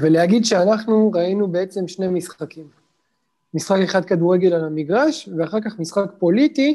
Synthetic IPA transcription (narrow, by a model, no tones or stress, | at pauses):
veleɦaɡid̪ʃeanaχnuʁainubeet͡se̞mʃne̞misχakimː | isχake̞χad̪̚kaduʁe̞ɡe̞lalamiɡʁaʃveaχaʁkaχmisχakpo̞lit̪i